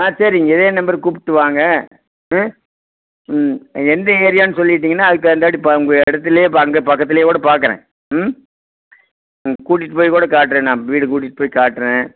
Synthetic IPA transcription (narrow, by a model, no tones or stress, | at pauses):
aːsɐɾiɪŋɡɐɪðeːnɐmbɐɾkuːpɪ̥ʈːɯʋaːŋɡɐ | ɛnd̪ɐeːɾɪjaːnɯsɔlːɪɪʈːiːŋɐnːaːɐðɯkːɯɐnd̪aːɽipʊŋɡɽojɐɪɽɐt̪ːɪlɐjeːɐŋɡɐpɐkːɐt̪̬ːɪlɐjeːkuːɽɐpaːɾkɐɾḛ̃ː | ʊŋɡɐkuːʈ̬ːɪʈːɯpoːjkuːɽɐkaːʈ̬ːɾẽːnãːʋiːɽɯkuːʈ̬ːɪʈːɯpoːjkaːʈːɯɾẽː